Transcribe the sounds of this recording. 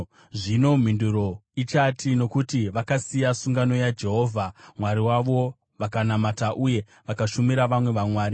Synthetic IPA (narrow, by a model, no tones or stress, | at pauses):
ʐino̞m̤induɾo̞it͡ʃatʰino̞kutiʋakasijasuŋɡano̞jad͡ʒe̞ɦo̞ːvʱamwaɾiwaʋo̞ | ʋakanamataʔuje̞ | ʋakaʃumiɾaʋamwe̞ʋamwaːɾi